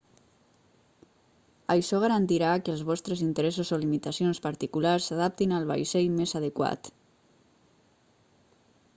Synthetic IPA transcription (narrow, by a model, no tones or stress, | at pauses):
əjʃɔɣ̞aɾant̪iɾakəlˠzβɔst̪ɾəzint̪əɾɛsuzolimit̪asionspaɾt̪ikulaɾsːaðap̚t̪inalˠβa̰jsɛjmezaðəkwa̰t̪